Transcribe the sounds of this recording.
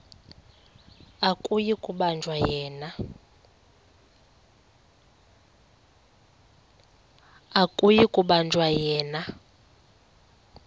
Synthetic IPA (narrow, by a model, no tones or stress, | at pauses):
akʼujikʼuɓand͡ʒʱwajɛːna | akʼujikʼuɓand͡ʒʱwajɛːna